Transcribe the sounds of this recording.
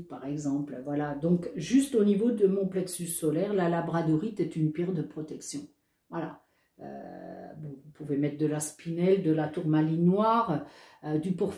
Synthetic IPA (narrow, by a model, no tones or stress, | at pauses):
paʁɛɡzɑ̃plvwalad̪ɔ̃kʒyst̪onivod̪əmɔ̃plɛksysːɔlɛʁlalabʁad̪ɔʁit̪ɛt̪ynpɛʁd̪əpχɔt̪ɛksjɔ̃ | vwala̰ | ø̰vɔũvupuvemɛt̪χd̪əlaspinɛld̪əlat̪uʁmalinwaːʁ | ød̪ypuʁf